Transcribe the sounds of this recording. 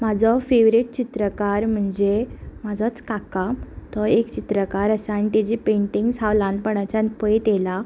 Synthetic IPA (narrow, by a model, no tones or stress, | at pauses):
mad͡zʱɔfeʋɾiʈ̚t͡ɕit̪ɾəkaɾm̤əɳd͡zemad͡zʱat͡skakat̪ɔekt͡ɕit̪ɾəkaɾəsanʈid͡ʑipẽɳʈiŋɡsalãnpəɽ̃at͡ɕanpəet̪jela